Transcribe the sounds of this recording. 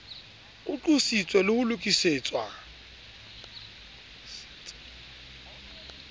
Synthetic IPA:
ʊt͡ɬʼusit͡sʼwɛlɪhʊlʊkʼiseːt͡sʼwa

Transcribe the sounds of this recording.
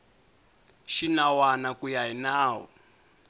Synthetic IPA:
ʃinawanakujainaːwɔ̰

